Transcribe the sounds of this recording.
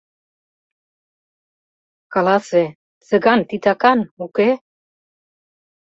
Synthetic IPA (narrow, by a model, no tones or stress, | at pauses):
kɑlase | seɡant̪it̪akanuke